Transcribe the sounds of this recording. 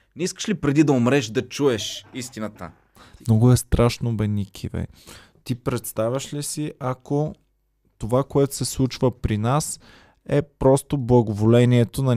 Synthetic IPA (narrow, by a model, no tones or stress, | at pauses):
nɛiskə̥ʃlipɾɛd̪id̪ɐomɾɛʃd̪ɐt͡ʃuɛʃist̪inət̪ə̰ | nɔɡʊɛst̪ɾʔaʃnobɛnikʰḭvɛ̰ | t̪ipɾɛt̪st̪avʲɐʃlisiʔɐko | t̪ovakoɛt̪ʊ̥sɛslˠut͡ʃvəpɾinas | ɛpɾɔst̪oblˠɐɡovolɛniɛt̪onɐ